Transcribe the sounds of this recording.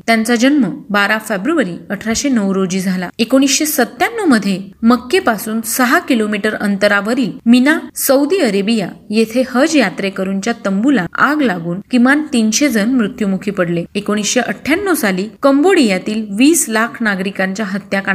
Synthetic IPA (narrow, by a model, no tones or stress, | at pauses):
t̪jant͡sad͡ʑənməbaɾafebɾuʋəɾiəʈʰɾaɕenəʋɾod͡ʑiːd͡zʱalaekoɽ̃isɕesət̪ːjanːəməd̪ʱːjeməkːepasuːnsəɦakilomiʈəɾənt̪əɾaʋəɾiːlminasəud̪iəɾebijajet̪ʰehəd͡ʑjat̪ɾekəɾunt͡ɕjat̪əmbulaaɡlaɡuːnkĩʋant̪inɕed͡zʱənmɾut̪jumukʰiːpəɽleekoɽ̃isɕeʔəʈʰjanːəsaliːkəmboɽijat̪iːlʋiːslakʰnaɡɾikãɲt͡ɕjaɦət̪jaka